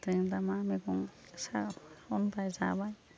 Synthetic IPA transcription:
t̪ɯjmdamamikɔŋ | saɔnpajza̰baj

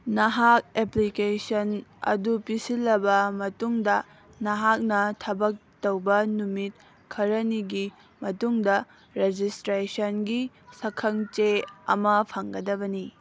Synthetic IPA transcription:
nɐɦak̚eplikesɐnɐ̰dupisilːɐbɐmɐtuŋdɐ | nɐɦak̚nɐtʰɐbɐk̚tɐwbɐnumit̚ | kʰɐɾɐniɡi | mɐtuŋdɐ | ɾed͡ʒistɾesɐnɡi | sɐkʰɐŋt͡ʃeɐ̰mɐpʰɐŋɡɐdɐbɐni

